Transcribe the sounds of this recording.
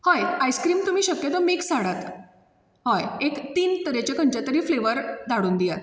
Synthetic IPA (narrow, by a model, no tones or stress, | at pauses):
hajajskɾiːmt̪um̤iːɕəkjət̪ɔmiːksaɽat̪ | hɔjekt̪iːnt̪əɾet͡ɕekəɲt͡ɕat̪əɾiːfleʋəɾd̪aɽuːnd̪ijat̪